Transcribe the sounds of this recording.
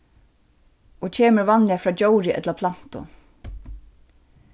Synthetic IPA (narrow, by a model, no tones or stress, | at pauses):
ɔt͡ɕʰeːməɾʋanlɪjafɾɑːd͡ʑowɾɪʔɛ̰t̪lapʰlan̥t̪ʊ̰